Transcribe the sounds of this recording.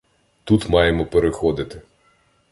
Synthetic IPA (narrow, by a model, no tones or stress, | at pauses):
t̪ut̪mɑjemɔpeɾɪxɔd̪ɪt̪ɪ